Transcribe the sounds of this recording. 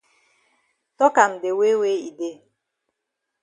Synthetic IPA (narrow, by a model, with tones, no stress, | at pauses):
tɔ˦ka˨n̩˨dɪ˨we˦we˦i˨de˦